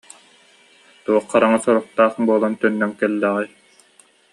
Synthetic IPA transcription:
t̪uɔqːaɾaŋasɔɾɔq̚t̪aːχbuɔlˠant̪œnːœŋkɛlːɛʁɛ

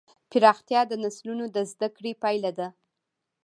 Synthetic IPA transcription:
pɪɾɑxt̪jɑd̪ənaslunod̪əzd̪akɽepɑjlad̪a

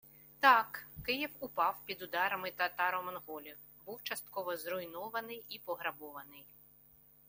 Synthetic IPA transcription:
t̪ɑkːɪjiwʊpɑwpʲid̪ʊd̪ɑɾɐmɪt̪ɐt̪ɑɾɔmɔnɦɔlʲi | buwt͡ʃɐst̪kɔʋɔzrʊjnɔʋɐnɪjipɔɦɾɐbɔʋɐnɪj

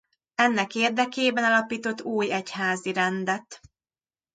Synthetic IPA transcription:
ɛnːɛkeːrd̪ɛkeːbɛnɒlɒpiːt̪o̞t̪ːuːjɛchaːziɾɛnd̪ɛt̪

